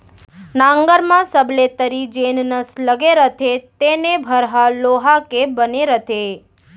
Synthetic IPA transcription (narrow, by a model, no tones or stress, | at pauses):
nãŋɡəɾmãsəblet̪əɾid͡ʒennəsləɡeɾət̪ʰet̪enebʱəɾɦaloɦakebəneɾət̪ʰe